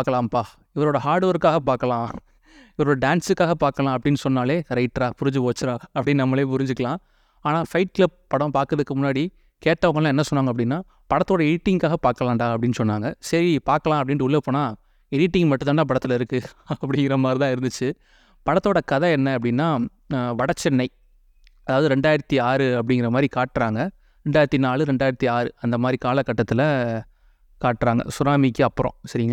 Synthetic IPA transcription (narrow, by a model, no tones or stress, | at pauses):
aːkːɐlaːmpaː | ɪʋɐɾoːɽɐhaːɾɽɯʋɐɾɯkːaːɣɐpaːɾkɐlãː | ɪʋɐɾoːɽɐɖaːnsɯkːaːɣɐpaːɾkɐlãːɐp̬ːɐɽɪnːɯsɔnːaːleːɾɐɪʈːɾaːpʊɾɪɲd͡ʒɯpoːt͡ʃːɪɾãːɐpːɐɽɪnːnɐmːɐleːpʊɾɪɲd͡ʒɯkːɐlãː | aːnaːfɐɪʈ̚klɐp̚pːɐɽɐ̃paːɾkɾɐðɯkːɯmʊnːaːɽi | keːʈːɐʋɐmɐlãːɛnːɐsɔnːaːŋɡɐp̬ːɐɽɪnːaː | pɐɽɐt̪ːoːɽɐɪʈːɪŋkaːɣɐpaːɾkːɐlaːɳɖaːɐpːɐɽɪnːɯsɔnːaːŋɡɐsɐɾipaːɾkɐlãːɐp̬ːɐɽɪnʈɯʊɭːepːoːnaː | ɛɽɪʈːɪŋɡmɐʈːɯ̃t̪aːnãːpɐɽɐt̪ːɯlɐɪɾɯkːɯɐpːɐɽɪŋɡɪɾɐmaːd̪ɾit̪ãːɪɾɯnd̪ɯt͡ʃːɯ | pɐɽɐt̪ːoːɽɐkɐðɐɛnːɐɐpːɐɽɪnːaː | ʋɐɽɐt͡ʃːɛnːɐɪ | ɐðaːʋɐðɯɾɛɳɖaːjɪɾɐt̪ːiaːɾɯɐp̬ːɐɽɪŋɡɪɾɐmaːd̪ɾikaːʈːɾaːŋɡɐ | ɾɛɳɖaːjɪɾɐt̪ːinaːɭɯɾɛɳɖaːɪɾɐt̪ːiaːɾɯɐnd̪ɐmaːd̪ɾikaːlɐkːɐʈːɐt̪ːɪlɐ | kaːʈːɾaːŋɡɐ̰sʊɾaːmɪkːɯɐpːɯɾõ̰sɐɾɪŋɡɐ